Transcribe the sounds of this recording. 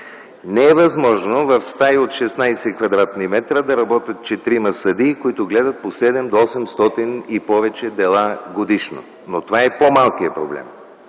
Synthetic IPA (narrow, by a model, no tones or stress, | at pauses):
nɛɛvɐzmɔʒnovɐfst̪ajot̪ʃɛsnajsɛkvɐd̪ɾat̪nimɛt̪ɾəd̪ɐɾɐbɔt̪ʲət̪̚t͡ʃɛt̪ɾimɐsɐd̪ikoit̪ʊɡlɛd̪ɐt̪̚posɛd̪ɛmd̪oɔsɛmst̪ɔt̪inipɔvɛt͡ʃɛd̪ɛlˠaɡod̪iʃno̰ | not̪ovaɛpomalˠkijəpɾoblɛ̰m